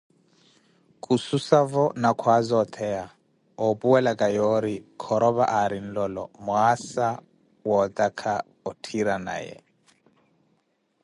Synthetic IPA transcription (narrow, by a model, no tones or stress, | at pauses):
kʼususavɔnakʰwazɔt̪ʰɛa | ɔpuwɛlakʼajɔɾikʰɔɾɔβaʔaɾin̩lɔlɔmwasa | wɔt̪akʰa | ɔtʰiɾana̰jɛ̰